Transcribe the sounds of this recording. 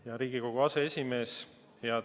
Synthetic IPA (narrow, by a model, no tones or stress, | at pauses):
jɑɾiːɡ̥iko̞ɡ̥uɑse̞esʲime̞ːs | jɑ